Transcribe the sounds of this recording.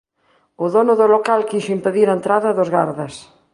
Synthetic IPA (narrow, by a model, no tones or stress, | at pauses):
ʊðonʊðʊlokalkiʃimpeðiɾaent̪ɾaðɐðozɣaɾðɐs